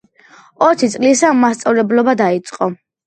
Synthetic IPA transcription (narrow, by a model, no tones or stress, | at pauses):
ɔt̪ʰit̪sʼlisamast̪sʼavlɛblɔbad̪ait̪sʼqʼɔ